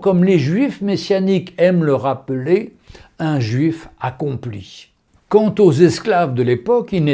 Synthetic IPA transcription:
kɔmleʒɥifmesjanikɛmləʁapəle | ɛ̃ʒɥifakɔ̃pli | kɑ̃t̪ozɛsklavd̪əlepɔkiln

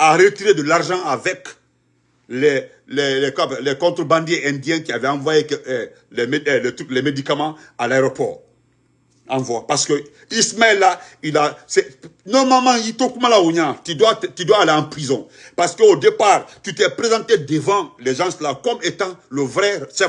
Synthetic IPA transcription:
aɾət̪iɾed̪əlaʁʒɑ̃avɛk | lɛ | lɛlɛkpɛlɛkɔ̃nt̪ɾəbãd̪jeɛ̃d̪jɛ̃kiavɛãvwajek | lɛmlɛt̪klɛmed̪ikamɑ̃alaeɾopɔ̰ːʁ | ãvwapaʁsə̥kə | ismaɛlːailasɛnɔʁmalmɑ̃it̪okumalaoɲãt̪yd̪watt̪yd̪waːleãpɾizɔ̃ | paʁsə̥kəod̪epaːʁt̪yt̪ɛpɾezɑ̃t̪ed̪əvɑ̃lɛʒɑ̃slakɔmet̪ɑ̃ləvʁɛʃɛ

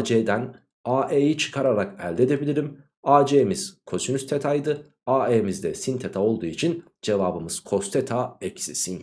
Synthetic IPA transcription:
d͡ʒeːd̪æn | aːʔejit͡ʃʰɯ̥kʰaɾaɾakæ̰lʲd̪ɛed̪e̞bilʲiɾim | aːd͡ʒeːmiz̥kʰo̞synyst̪ʰet̪ʰajd̪ɯ | aːeːmizd̪ɛsint̪ʰet̪ʰao̞lˠd̪uːit͡ʃʰin | d͡ʒe̞vaːbɯmɯz̥kʰo̞st̪ʰet̪ʰaːɛcsisin

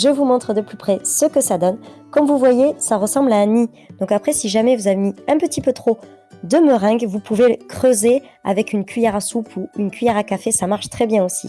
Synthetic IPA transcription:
ʒəvumɔ̃t̪χəd̪əplypχɛsəkəsad̪ɔnkɔmvuvwajesaʁəsɑ̃blaɛ̃ni | d̪̥ɔ̃kapχɛsiʒamɛvuzavemiɛ̃pət̪ipøt̪χo | d̪əməʁɛ̃ɡvupuveləkχøze | a̰vɛkynkʲɥijɛʁasupuynkʲɥijɛʁakafesamaʁʃt̪χɛbjɛ̃osḭ

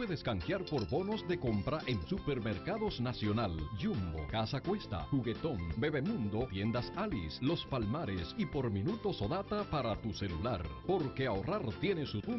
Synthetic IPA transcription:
weðeskaŋxjaɾpo̞ɾbo̞no̞zd̪e̞ko̞mpɾaʔeŋsupe̞ɾme̞ɾkaðo̞snasjo̞nald͡ʒumbo̞̰kasakwe̞st̪a̰xuɣe̞t̪o̞ŋbe̞βe̞mũnd̪o̞t̪je̞nd̪asalislo̞spalmaɾesipo̞ɾmĩnut̪o̞so̞ðat̪apaɾat̪use̞lulaɾpo̞ɾkeaoraɾt̪je̞ne̞sut̪u

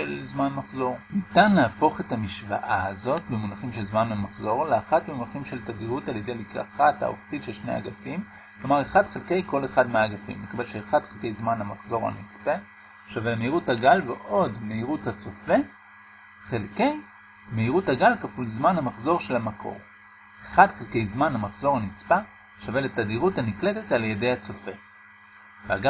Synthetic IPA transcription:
ʃelzmanmaχzo̞ʁnitanleafo̞χetamiʃva̰ʔaːzo̞t̚bemunaχimʃelzmanamaχzo̞ʁleaχat̚bemunaχimʃeltadiʁutaljede̞jlika̰χata̰o̰ftitʃelʃneja̰ɡafim | klomaʁeχad̥̪χelke̞jko̞le̞χadmeaːɡafḭmːekabe̞lʃeːχad̥̪χelke̞jzmanamaχzo̞ʁa̰lmit͡spe | ʃavelmeiʁuthaɡalveʔo̞dmeiʁuthat͡sofe | χelke̞j | meiʁuthaɡalkafulzmanhamaχzo̞ʁʃe̞lhamakʰo̞̰ʁ | eχadχelkejzmanhamaχzo̞ʁanit͡spa | ʃaveletadiʁuthaniklete̞taljedejhat͡sofe̞ | veaɡa

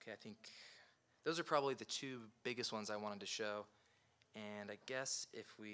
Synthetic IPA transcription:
okʰeɪaɪθɪ̃ŋk | ðoʊzə˞pʰɹ̥ɑbəbliðɨtʰʉbɪɡɨst̚wʌ̃nzaɪwɑ̃ɾ̃ɨd̚tɨʃoʊ | ɨ̃naɪɡɛsɪfwi

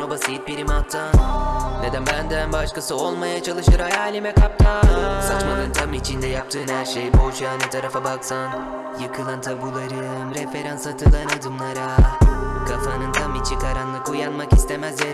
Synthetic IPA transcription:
abasit̪̚biɾimak̚t̪ʰanned̪ænbænd̪ænbaʃkasɯo̞lˠmajat͡ʃʰalˠɯʃɯɾhajaːlʲimɛkap̚t̪ʰasat͡ʃmanɯnt̪ʰamit͡ʃʰind̪ɛjap̚t̪ʰɯːnhæɾʃejboʃjaːnɯnt̪ʰaɾafabaksan | jɯkʰɯlˠant̪ʰabulˠaɾɯ | mɾefe̞ɾansat̪ʰɯlˠanad̪ɯmlˠaɾa | kʰafanɯnt̪ʰamit͡ʃʰikʰaɾanlˠɯkujanmakist̪ʰemæzlʲe

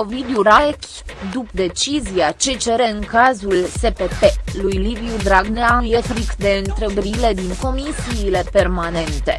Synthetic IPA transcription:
ovid̪juɾakʲ | d̪up̚d̪e̞t͡ʃiziat͡ʃe̞t͡ʃe̞ɾe̞ɨŋkazulse̞pe̞pe̞lujliviud̪ɾaɡneajefɾikd̪e̞ɨnt̪ɾəbɾile̞d̪iŋko̞misiːle̞pe̞rmane̞nt̪e̞̰

